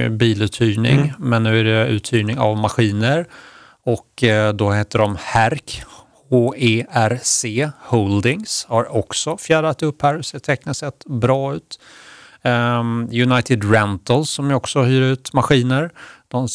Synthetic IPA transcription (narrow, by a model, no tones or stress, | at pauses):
biːlʉ̟ːt̪ʰyːnɪ̰ŋmɛnːʉ̟ːæɖɛʉ̟̰ːt̪ʰyːɳɪŋa̰vmaɧiːnəɾ | ɔkːd̪ɔheːt̪ːəɖɔmhæɾk | hoːeːæɾseːhɔld̪ɪŋshaɾɔksɔfjæːɖat̪ɵphæːɾseːt̪ʰɛkːnasɛt̪bɾɑːʉ̟ːt̪ | jɵnajt̪ɪd̪ɾɛnt̪əlsɔmjɔksɔhyːɾʉ̟ːt̪maɧiːnəɾd̪̥ɔm